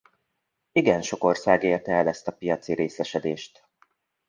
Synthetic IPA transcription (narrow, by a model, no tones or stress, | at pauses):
iɡɛnʃo̞ko̞rsaːɡeːrt̪ɛɛlɛst̪ɒpijɒt̪siɾeːsɛʃɛd̪eːʃt̪